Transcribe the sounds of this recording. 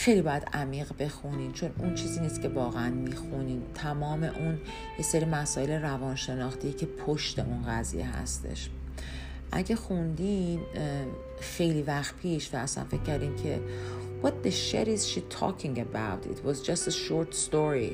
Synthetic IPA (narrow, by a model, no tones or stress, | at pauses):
xe̞jlibɒːjæd̪æmiːɣbe̞xuniːmt͡ʃʰo̞nṵnt͡ʃʰiːziːniːst̪cʲe̞vɒːɣeænmiːxuniːmt̪ʰæmɒːme̞ʔun | je̞seɾiːmæsɒːelerævɒːnʃe̞nɒːxt̪ʰijecʰe̞pʰoʃt̪e̞̰ʔunɣæzḭjḛɦæ̰st̪ʰḛʃ | ʔæ̰ɟexund̪im | xe̞jliːvæxt̪̚pʰiːʃvæːsæ̰nfe̞c̚ʲʰːæɾd̪iːmcʰe̞̰ | wɒt̪̚ðeʃḛɾiz̥ʃi̥t̪ʰɒ̰ːkʰĩŋɡəbawt̪ḭt̪ʰwɒzd͡ʒɒst̪eʃoɾt̪st̪oɾi